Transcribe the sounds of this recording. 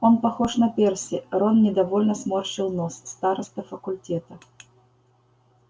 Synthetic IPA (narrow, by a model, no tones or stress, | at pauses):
o̞npɐxoʂnɐpʲersʲɪɾonnʲɪd̪ɐvo̞lʲnəsmorɕɪlˠnosːt̪aɾəst̪əfəkʊlʲtʲet̪ə